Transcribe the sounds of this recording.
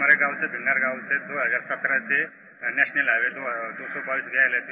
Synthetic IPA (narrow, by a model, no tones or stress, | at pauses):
əɾeɡawt͡sebʱiŋɡaɾɡawt͡sed̪oɦəd͡zaɾsət̪ɾat͡se | nɛɕnəlaʋed̪oɦd̪osɔbaʋiːsɡʱajlat̪i